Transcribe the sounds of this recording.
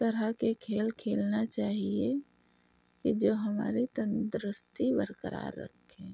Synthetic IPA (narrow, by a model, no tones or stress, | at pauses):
t̪əɾəkekʰeːlkʰeːlnat͡ʃaːɦie | kid͡ʒoːɦəma̰ːɾit̪ənd̪ɾʊst̪ibəɾkəɾʔa̰ːɾːə̰kʰːẽː